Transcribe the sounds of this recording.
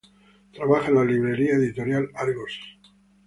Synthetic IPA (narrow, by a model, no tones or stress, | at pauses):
t̪ɾaβaχaẽnaliβɾe̞ɾiaeðit̪o̞ɾjalaɾɣos